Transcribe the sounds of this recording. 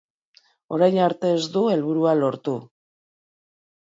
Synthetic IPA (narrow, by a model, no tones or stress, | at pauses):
o̞̰ɾajnaɾt̪e̞ːzd̪ue̞lβuɾualo̞ɾt̪u